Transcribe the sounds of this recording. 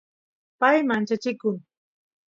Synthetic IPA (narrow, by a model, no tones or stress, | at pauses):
pajmant͡ʃat͡ʃɪkʊŋ